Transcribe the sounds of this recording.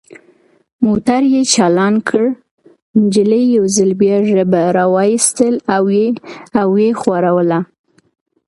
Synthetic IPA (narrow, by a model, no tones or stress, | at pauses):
mot̪aɾjet͡ʃɑlɑnkʰəɽ | nd͡ʒɪləjjawzəlbjɑʒəbaɾɑwɑist̪əlawjeawːexwaɾawəla